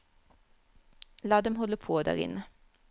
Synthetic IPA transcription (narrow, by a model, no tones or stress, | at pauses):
lɑːd̪ɛmhɔləpʰoːd̪æ̰ːʁɪ̰nə